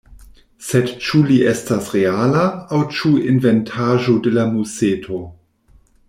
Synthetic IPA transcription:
sedt͡ʃuliʔestasʁealaːwt͡ʃuinventʰaʒodelamuseːtʰo

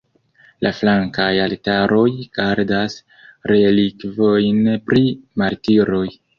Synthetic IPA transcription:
lʔaflaŋkajaltaɾo̞jɡ̥aɾdas | ɾe̞likvo̞jnpɾimaɾtiɾo̞j

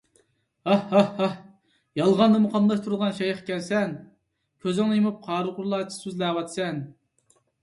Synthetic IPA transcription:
ɑhɑhɑh | jɑlˠʁɑnd̪ɑmuqʰɑmlˠɑʃt̪ʰuɾʁɑnʃɛjχkʲɛlsɛn | kʲʰøzɪŋlɨjemup̚qʰɑːɾɨqʊɾlˠɑːt͡ʃʰi̥syzlæːwɑt̪ʰsɛn

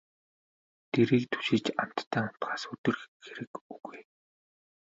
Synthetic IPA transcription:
t̪ʰeɾiːk̚t̪ʰu̥ʃit͡ɕam̥t̪ʰːæːam̥t̪ɢaːsɵt̪ɵ̆rxxeɾɘ̆kuɣuj

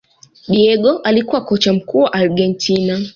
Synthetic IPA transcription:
ɗiɛɠɔʔalikuwakɔt͡ʃam̩kuːwaʔaɾɡɛntʰina

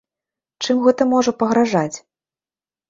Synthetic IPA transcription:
t͡ʂɨmɣɛt̪ɐmɔʐɐpɐɣɾaʐat͡sʲ

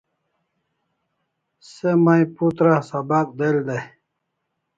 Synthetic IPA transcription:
semaiput̪ɾasɐbak̚d̪eld̪e

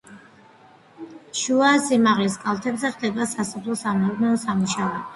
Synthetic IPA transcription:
ʃuasimaʁliskʼalˠt̪ʰɛbzɛʁd̪ɛbasasɔpʰlˠɔsamɛuɾnɛɔsamuʃavɛ

